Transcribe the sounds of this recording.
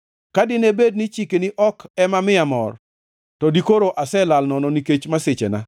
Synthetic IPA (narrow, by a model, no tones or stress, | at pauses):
kadɪnebed̚nit͡ʃikeniʔɔkɛmamɪamɔ̰r | tɔdikoɾoʔasɛlalnɔnɔniket͡ʃmaset͡ʃḛna̰